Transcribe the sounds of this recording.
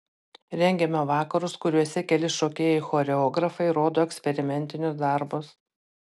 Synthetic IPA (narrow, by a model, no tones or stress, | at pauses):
ɾʲɛŋʲɡʲɛmʲɛʋɑːkɐɾʊskʊɾʲuɔsʲɛkʲɛlʲɪʃoːkʲeːjɛɪxoːɾʲɛɔɡɾɐfɐɪɾoːd̪oːɛkʲsʲpʲɛɾʲɪmʲɛnʲt̪ʲɪnʲʊsd̪ɑɾbʊs